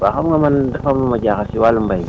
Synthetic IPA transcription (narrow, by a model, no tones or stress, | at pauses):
baxamŋamandafamamaɡʲakasiwalumbaj